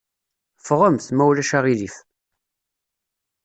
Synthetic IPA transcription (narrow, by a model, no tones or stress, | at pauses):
fʁəmθmæwlæʃaʁilif